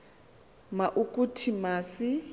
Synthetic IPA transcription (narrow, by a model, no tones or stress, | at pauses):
maʔukʼutʰimaːsɪ